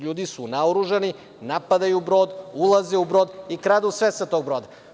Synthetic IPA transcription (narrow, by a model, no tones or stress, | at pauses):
ʎuːd̪isunaoɾuʒani | napad̪ajubɾo̞ːd̪ulˠazeubɾoːd̪ikɾad̪usʋesat̪oːɡ̚bɾoːd̪a